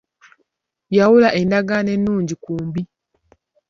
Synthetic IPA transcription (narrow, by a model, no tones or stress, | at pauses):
jawulaʔe̞ndaɡane̞nːuːɲɟikuːmbi